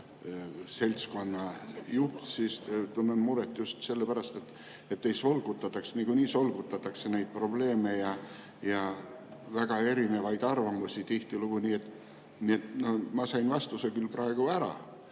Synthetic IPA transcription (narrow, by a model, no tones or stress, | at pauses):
se̞lʲt̪sko̞nːɑjup̪sist̪unːenmuɾet̪ːˑjust̪se̞lːepæɾɑst̪et̪ː | et̪ːejso̞lɡ̥ut̪ːˑɑt̪ːˑɑkseniɡ̥unʲiːso̞lɡ̥ut̪ːˑɑt̪ːˑɑkse̞nejd̪̥̚pro̞ble̞ːme̞jɑ | jɑ | væɡ̥ɑe̞ɾine̞vɑjd̪̥ɑrvɑmusʲit̪iht̪iluɡ̥uniːe̞t̪ːˑ | niːe̞t̪nomɑsɑjnvɑst̪usekylpɾɑe̞ɡ̥uæɾɑ̰